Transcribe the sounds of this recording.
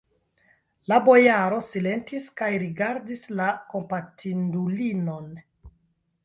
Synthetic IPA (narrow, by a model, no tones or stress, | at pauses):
labo̞jaɾo̞sile̞ntiskajɾiɡaɾdislako̞mpatʰindulino̞n